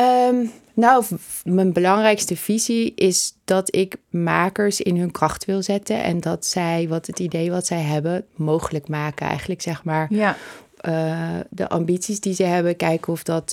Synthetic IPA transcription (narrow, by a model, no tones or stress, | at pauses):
ənawmənbəlɑŋrɛjkstəv̥iziʔɪsd̥ɑtɪkmaːkəɹsɪnɦɵnkrɑχtʋɪlˠzɛtənʔɛ̰ndɑtsɛjʋɑtɦətidejʋɑtsɛjɦɛbəmowχələkmaːkənɛ̰jχənləksɛχmaːɹ | də̰ʔɑ̰mbitsisdizəjɦɛbəkɛjkəɔfdɑt